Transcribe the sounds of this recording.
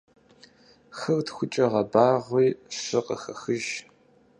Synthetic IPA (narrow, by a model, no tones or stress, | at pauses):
xɐrtxʷʊt͡ʃʼɐʁɐbaːʁʷiːɕɪqə̰xɐxɨʒ